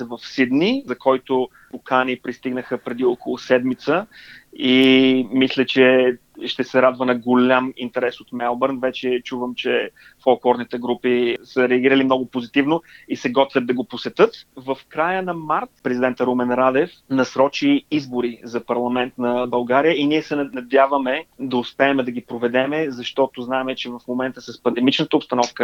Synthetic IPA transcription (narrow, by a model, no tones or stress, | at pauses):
ɛvəfsid̪nizɐkɔjt̪ʊ | pʊkanipɾist̪iɡnəxəpɾɛd̪iɔkolˠʊsɛd̪mit̪səimislʲɛt͡ʃɛ | ʃt̪ɛsɛɾad̪vənɐɡolʲamint̪ɛɾɛsot̪mɛlˠbəɾnvɛt͡ʃɛt͡ʃuvəmt͡ʃɛ | folˠklˠɔɾnit̪ɛɡɾupisəɾɛɐɡʲiɾəlimnɔɡʊpozit̪ivnoisɛɡɔt̪vʲɛd̪d̪ɐɡoposɛt̪ɤt̪vəfkɾajənɐmaɾt̪pɾɛzid̪ɛnt̪əɾumɛnɾad̪ɛfnɐsɾɔt͡ʃiizboɾizɐpɐɾlˠɐmɛnt̪nɐbɐlˠɡaɾijəiniɛsɛnnɐd̪ʲjavəmɛd̪ɐʊspɛːmɛd̪ɐɡipɾovɛd̪ɛmɛzɐʃt̪ɔt̪oznaɛmɛt͡ʃɛvɐfmomɛnt̪əsəspɐnd̪ɛmit͡ʃnət̪əʊpst̪ɐnɔfkə